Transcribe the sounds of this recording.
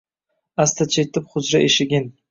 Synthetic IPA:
ast̪ʰat͡ʃʰet̪ɪpχʊzɾaʔeʃɪɡʲɪn

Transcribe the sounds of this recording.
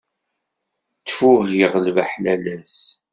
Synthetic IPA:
t͡sːfʊʁjəʁəlvæħlælæs

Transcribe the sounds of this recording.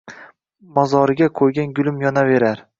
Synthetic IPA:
mɒzɒɾɪɡʲakʰojɡʲanɡʊlˠɪmjɒnave̞ɾaɾ

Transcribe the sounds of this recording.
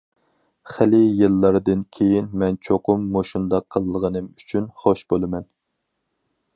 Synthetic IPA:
χɪlɪjɨlˠːɑɾd̪ɨnkʲʰejinmɛnt͡ʃʰoqʊmːoʃund̪ɑqʰːəlˠːəʁənɨmyt͡ʃʰynχoʃbolˠɨmɛn

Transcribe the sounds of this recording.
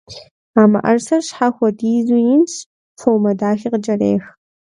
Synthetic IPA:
aːmɐ̰ʔɐ̰rsɐrɕħaxʷɔdiːzujɪnɕ | fowmɐdaːxiːqəd͡ʒɐreːx

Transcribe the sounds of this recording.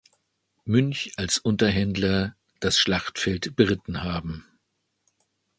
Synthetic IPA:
mʏnçalsʔʊntɐɦɛndlɐ | d̥asʃlaχtfɛltb̥əʁɪtn̩haːbm̩

